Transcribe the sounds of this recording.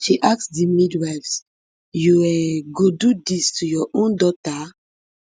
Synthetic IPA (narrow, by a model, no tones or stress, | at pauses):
ʃiʔaksdimidwavs | juɛɡodudistujɔʔõndɔta